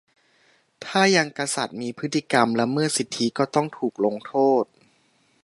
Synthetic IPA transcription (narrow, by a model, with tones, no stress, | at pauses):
t̪ʰaː˥˩ja˧ŋka˧sa̰˨˩t̪̚miː˧pʰɯ˦˥t̪ʰːi˧˩ka˧mlɛ˦˥wmɯ˥˩ɐsi˨˩t̪ʰːi˦˥kɔː˥˩t̪ɔ˥˩ŋt̪ʰuː˨˩k̚lo˧ŋt̪ʰoː˥˩t̪̚